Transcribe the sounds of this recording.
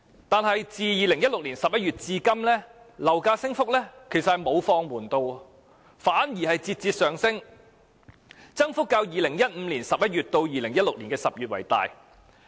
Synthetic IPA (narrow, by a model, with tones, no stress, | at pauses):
t̪aː˨˧nɦɐ˨jt͡siː˨jiː˨˧lɪ˨˩ŋjɐ˥t̚lʊ˨k̚liː˨˩nsɐ˨p̚jɐ˥t̚ɥyː˨t̚t͡siː˧kɐ˥mlɛː˥ | lɐ˨˩wkaː˧sɪ˥ŋfʊ˥k̚lɛː˥kʰe˨˩jsɐt̚hɐ˨jmo˨˧wfɔː˧ŋwuː˨˩nt̪o˧w | faː˨˥njiː˨˩hɐ˨jt͡siː˧t̚t͡siː˧t̚sœː˨ŋsɪ˥ŋ | t͡sɐ˥ŋfʊ˥kːaː˧wjiː˨lɪ˨˩ŋjɐ˥t̚m̩˨˧liː˨˩nsɐ˨p̚jɐ˥t̚ɥyː˨t̚t̪o˧wjiː˨lɪ˨˩ŋjɐ˥t̚lʊ˨k̚liː˨˩nkɛː˧sɐ˨p̚jyː˨t̚wɐ̰˨˩jt̪a̰ː˨j